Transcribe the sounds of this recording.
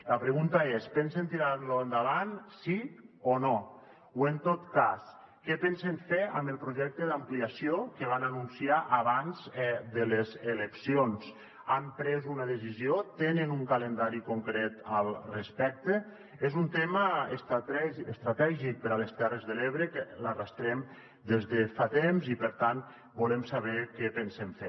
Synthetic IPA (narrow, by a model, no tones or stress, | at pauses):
ləpɾəɣunt̪aespɛnsent̪iɾaɾloənd̪aβansiono | went̪ot̪kas | kɛpenseɱfea̰mbəlˠpɾuʒɛk̚t̪eðampliasiokeβ̞ananunsiaʔaβanzɛd̪əlezeleksions | ampɾezunəðəsiziot̪enənuŋkalənd̪aɾikuŋkɾet̪əlˠrespɛk̚t̪e | ezunt̪eməest̪ɛəst̪ɾat̪ɛʒik̚pəɾaləst̪ɛrəzðəleβɾəkəlarast̪ɾɛm | d̪ezðefat̪emzipəɾt̪an | bulemsaβ̞ɛkɛpensemfe